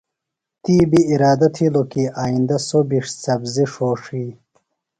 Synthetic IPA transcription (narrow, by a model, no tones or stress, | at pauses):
t̪iːbiːɾaːd̪ɐt̪ʰilokiʔaːind̪ɐsobiʂt͡sɐbziʂoːʂiː